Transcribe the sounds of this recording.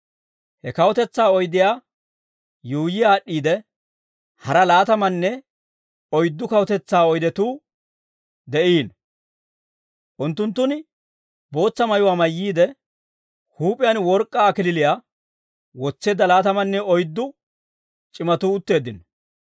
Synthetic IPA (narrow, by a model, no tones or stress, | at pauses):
hɛkɐwɔt̪ɛt͡sːaːɔjd̪ɪjaː | juʊjɪjaːɗːiːd̪ɛ | hɐɾɐlaːt̪ɐmɐnːɛ | ɔjd̪ːʊkɐwɔt̪ɛt͡sːaːɔjd̪ɛt̪uː | d̪ɛʔiːn | ʔʊnt̪ːʊnt̪ːʊn | bo̞ːt͡sːɐmɐjʊwaːmɐjːiːd̪ɛ | huːpʼɪjanwɔɾkʼːaːkɪlɪlɪjaː | wɔt͡sːe̞ːd̪ɐlaːt̪ɐmɐnːɛɔjd̪ːʊ | t͡ʃʼɪmɐt̪uːʊt̪ːe̞ːd̪ːɪn